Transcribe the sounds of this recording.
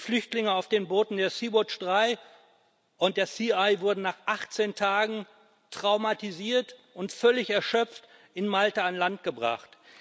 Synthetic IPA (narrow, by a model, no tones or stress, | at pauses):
flʏçtlɪŋəaʊfd̥eːnboːtn̩deːɐsiːbɔt͡ʃd̥ʁaɪ | ʔʊnt̚d̥eːɐsiːaɪvʊɐdn̩naːχʔaχt͡seːntʰaːɡŋ̩ | tʁ̥aʊmatiziːɐtʔʊntfœlɪçɛɐʃœp͡ft | ɪnmaltaanlant̚ɡ̥əbʁa̰χt